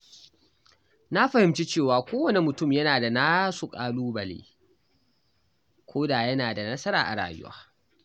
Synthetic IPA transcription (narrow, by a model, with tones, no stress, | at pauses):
na˦ɸɐ˨hɪ˨mt͡ʃi˦t͡ʃeː˦˨waː˨kʷoː˦wɐ˨ne˨mʊ˨tʊ˦˨mjɐ˦naː˨da˨naː˦su˨kʼaː˦˨luː˦bɐ˨lḛː˦ | kʷoː˦daː˨jɐ˦naː˨da˨nɐ˦sɐ˦ɾa̰ː˨ʔa̰˨ɽa̰ː˨jʊ̰˦wa̰ː˦